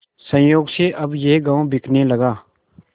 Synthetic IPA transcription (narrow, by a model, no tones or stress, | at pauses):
sə̃joːɡseʔɐbjeːɡãːõbʱɪkʰneləɡaː